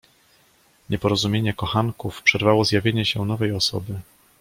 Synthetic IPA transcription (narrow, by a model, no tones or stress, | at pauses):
ɲɛpɔɾɔzumʲjeɲɛkɔxaŋkufpʂɛɾvawɔzjavʲjeɲɛɕɛnɔvɛjɔsɔ̰bɘ